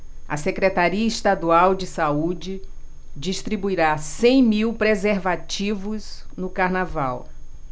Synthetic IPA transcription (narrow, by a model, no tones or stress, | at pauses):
ɐsekɾet̪aɾiɐɪʃt̪ad̪uawd͡ʒɪsaud͡ʒɪ | d͡ʒiʃt̪ɾibuiɾasẽj̃miwpɾezeɾvat͡ʃivʊznʊkaɾnavaw